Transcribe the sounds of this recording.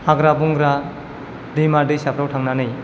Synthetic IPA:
haɡɾabuŋɡɾa | dijmadɯjsapʰɾawtʰaŋnanɯj

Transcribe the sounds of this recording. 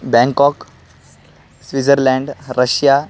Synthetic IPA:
bɛ̃ŋkɔk | sʋid͡zəɾlɛ̃ɳɖɾəɕja

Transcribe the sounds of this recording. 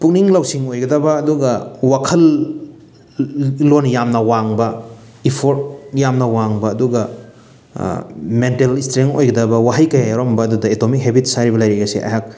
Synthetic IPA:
puk̚niŋlawsiŋojɡɐdɐbɐːduɡɐwakʰɐl | onjamnɐwaŋbɐ | ipʰoɾt̚jamnɐwaŋbɐːduɡɐ | mentelistɾeŋo̰jɡɐdɐbɐwaɦɐjkɐjajaɾombɐːdudɐetomik̚ɦebitsaɾibɐlɐjɾejɡɐsḛʔa̰jɦak̚

